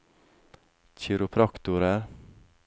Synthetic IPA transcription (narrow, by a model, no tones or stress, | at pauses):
c͡çɪɾʊpʰɾɑkt̪ʊɾəɾ